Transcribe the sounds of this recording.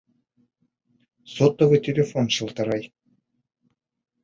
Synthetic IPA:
sot̪ːŏvɯtʲelʲefonʃɤ̆lˠt̪ɑ̆ɾɑj

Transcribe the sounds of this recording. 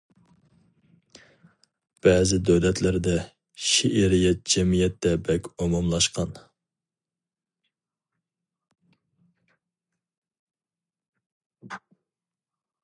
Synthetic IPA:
b̥ɛːzɪd̪øwlɛt̪lɪɾd̪ɛ | ʃeʔeɾijɛt̪̚d͡ʒɛmijɛt̪ːɛbɛkʲomumlˠɑʃqʰɑn

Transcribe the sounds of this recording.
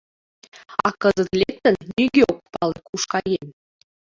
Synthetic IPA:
ɑkɤzə̆t̪lʲek̚t̪ɘ̆nːʲyɡʲeok̚pɑlˠekuʃkɑjemʲ

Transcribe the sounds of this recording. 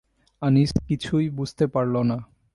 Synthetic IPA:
aniʃkit͡ɕʰujbud͡ʑʱt̪epaɾlona

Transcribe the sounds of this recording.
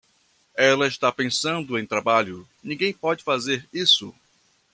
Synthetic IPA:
ɛlɐɪʃt̪apẽsɐ̃nd̪ʊẽj̃t̪ɾabaʎʊ | nĩɡẽj̃pɔd͡ʒɪfazeɾisʊ

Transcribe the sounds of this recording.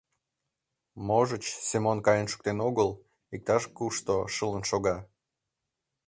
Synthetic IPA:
moʒət͡ɕsemonkɑjənʃu̥k̚t̪enoɣəl | ik̚t̪ɑʃkuʃt̪oʃələnʃoɣɑ

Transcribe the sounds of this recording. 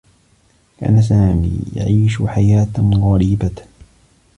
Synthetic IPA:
ka̰ːnas̬aːmḭːja̰ʕiːʃʊħajaːt̪ɣɑɾiːba

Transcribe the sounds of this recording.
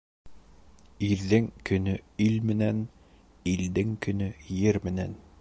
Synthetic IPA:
iɾðɘŋkɵ̆nɵilmɘ̆næn | ild̪ɘŋkɵ̆nɵjɘɾmɘ̆næn

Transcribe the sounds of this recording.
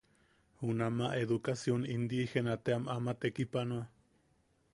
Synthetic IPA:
hunamaʔeðukasjonind̪ihenat̪eamamat̪ekipanoa

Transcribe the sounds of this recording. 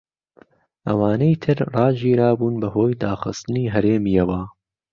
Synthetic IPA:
ʔɐwaːnejt̪ʰɨɾrɑːd͡ʒiːɾaːbuːnbɐhoːjd̪aːxɨ̰st̪ɨniːɦɐɾeːmijɐwɐ

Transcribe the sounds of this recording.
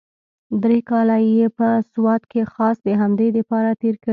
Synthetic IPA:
d̪ɾekɑlajepəswɑt̪kexɑsd̪əɦamd̪ed̪əpɑɾat̪eɾkə

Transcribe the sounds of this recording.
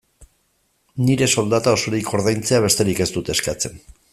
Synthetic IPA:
niɾe̞so̞ld̪at̪aoso̞ɾiko̞ɾð̞ajnt͡seaβ̞e̞st̪e̞ɾike̞zt̪ut̪eskat͡se̞n

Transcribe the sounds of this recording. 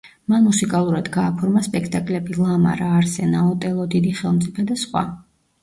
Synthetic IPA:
manmusikʼalˠuɾad̪ɡaːpʰɔɾmaspʼɛkʰt̪ʼakʼlɛbilˠama̰ɾaːɾsɛnaɔt̪ʼɛlˠɔd̪id̪iχɛlˠmt̪sʼipʰɛd̪asχwa̰

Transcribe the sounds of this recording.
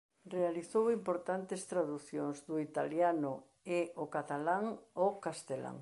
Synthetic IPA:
realiθowimpoɾt̪ant̪est̪ɾaðuθjoŋzd̪ʊit̪aljanʊ | eokat̪alaŋokast̪ela̰ŋ

